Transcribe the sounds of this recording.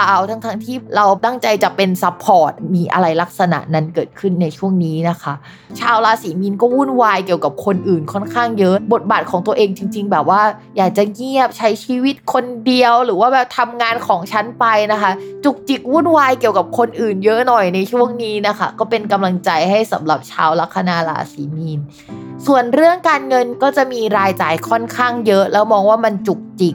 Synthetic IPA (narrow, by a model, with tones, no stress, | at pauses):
aː˨˦˩wt̪ʰa˦˥ŋt̪ʰa˦˥ŋt̪ʰiː˥˩ɾa˧wt̪a˥˩ŋt͡ɕa˧jt͡ɕa˨˩pe˧nsa˦˥pʰːɔː˨˩t̪̚miː˧ʔa̰˧ɾa˧jla˦˥k̚sa˧na̰˨˩ʔna˧˥nkɤː˨˩t̪̚kʰɯ˥˩nːa˧jt͡ɕʰu˥˩əŋniː˦˥na˦˥kʰa˦˥ʔ | t͡ɕʰaː˧wlaː˧siː˩˦mi˧nkɔː˥˩wu˥˩nwaː˧jki˨˩əwka˨˩p̚kʰo˧nʔɯː˨˩nkʰɔ˥˩nkʰaː˥˩ŋjɤ˦˥ʔbo˨˩t̪̚baː˨˩t̪̚kʰɔː˩˦ŋt̪u˧əʔeː˧ŋt͡ɕi˧ŋt͡ɕi˧ŋbɛː˨˩p̚waː˥˩ | jaː˨˩k̚t͡ɕa˨˩ŋi˥˩əp̚t͡ɕʰa˦˥jt͡ɕʰiː˧wi˦˥t̪̚kʰo˧ndi˧əwɾɯː˩˦waː˥˩bɛː˨˩p̚t̪ʰa˧mŋaː˧nkʰɔː˩˦ŋt͡ɕʰa˦˥npa˧jna˦˥kʰa˦˥t͡ɕu˨˩k̚t͡ɕi˨˩k̚wuː˥˩˨nwaː˧jki˨˩əwka˨˩p̚kʰo˧nʔɯː˨˩njɤ˦˥nɔ˨˩jna˧jt͡ɕʰu˥˩əŋniː˦˥na˦˥kʰa̰˦˥˩kɔː˥˩pe˧nka˧mla˧ŋt͡ɕa˧jɦa˥˩jsa˩˦mɾa˨˩p̚t͡ɕʰa̰ː˦˥wla˦˥kʰːa˧naː˧la̰ː˩˦siː˩˦miː˧n | su˨˩ənɾɯ˥˩əŋkaː˧nŋɤ˧nkɔː˥˩t͡ɕa˨˩ʔmiː˧ɾaː˧jt͡ɕaː˧jkʰɔ˥˩nkʰaː˥˩ŋjɤ˦˥ʔlɛː˦˥wmɔː˧ŋwaː˥˩ma˧nt͡ɕu˨˩k̚t͡ɕi˨˩k̚